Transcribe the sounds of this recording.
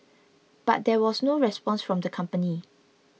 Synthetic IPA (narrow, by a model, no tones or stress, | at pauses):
b̥a̰t̚dɛwɔsnoɹɛspɔ̃nsfɹɔ̃mdəkʰãmpəni